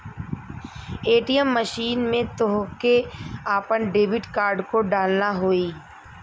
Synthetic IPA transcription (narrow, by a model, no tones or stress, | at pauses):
eːʈijəmːəʃiːnmẽt̪oɦkeaːpəɳɖeːbɪʈkaːɾɖkoɖaːlnaɦoːiː